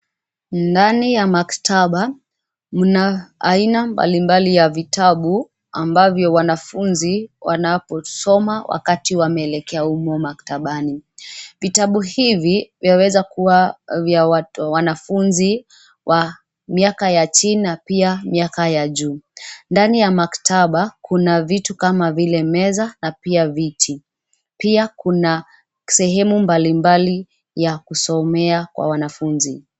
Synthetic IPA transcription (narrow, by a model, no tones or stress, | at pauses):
ndanijamaktʰaɓa | munaːinamba̰limbalijavitaɓu | a̰mbavjɔwanafunziwa̰napɔsɔmawʔa̰katiwamɛːlɛkɛaumɔmaktaɓanivitaɓuhivivjawɛzakuwavjaawanafunzi | wʔa | miakajat͡ʃininapiamiakajaʄuːndanijamaktaɓakʰunavitukamavilɛmɛzanapiavitʰi | piakuna | sɛɦɛmumbalimbali | jakusɔmɛakwa̰wanafunzi